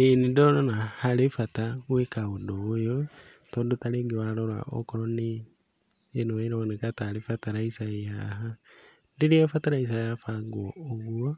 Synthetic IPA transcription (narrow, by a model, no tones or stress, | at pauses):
enidolonahalifatawwekaudoːjo | todutaliɡiwaloɾwa̰ʔo̰koɾoniː | noiɾonikatalifataɾaisaihaɦa | ndiɾiafataɾais̬aihafaɡwooɣuo